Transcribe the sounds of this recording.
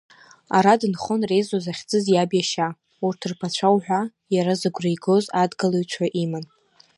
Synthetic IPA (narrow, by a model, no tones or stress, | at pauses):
aɾadɨnχonre̞jzozaχʲd͡zʼɨzjabjaʃa | urtʰɨrpʰat͡ɕʷʰawħʷᶣa | jaɾazaɡʷrejɡozadɡalojt͡ɕʷʰaʔiman